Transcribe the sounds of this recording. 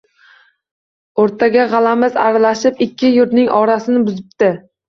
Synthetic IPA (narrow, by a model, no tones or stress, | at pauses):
oɾt̪ʰaɡʲaʁɑlamɪza̰ɾalaʃɪpɪkʲʰːɪjʊɾnɪŋʔɒɾasɪnɪbʊzɪpt̪ɪ